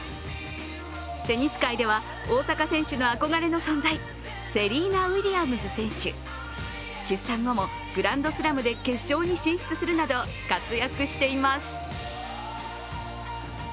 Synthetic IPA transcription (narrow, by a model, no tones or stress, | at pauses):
t̪e̞ɲ̟isɨ̥kaid̪e̞βa | o̞ːsakasẽ̞ɰ̃ɕɨno̞ako̞ɡaɾe̞no̞sõ̞nzai | se̞ɾʲiːnaiɾʲiamɯ̟zɨsẽ̞ɰ̃ɕɨ̰ | ɕɨsãŋɡo̞mo̞ | ɡ̥ɯ̟ɾãnd̪o̞sɨɾamɯ̟d̪e̞ke̞̥ʑo̞ːɲ̟iɕĩɰ̃ɸt͡sɨsɨɾɯ̟nad̪o̞ | kat͡sɨjakɯ̟ɕi̥t̪e̞imasɨ̥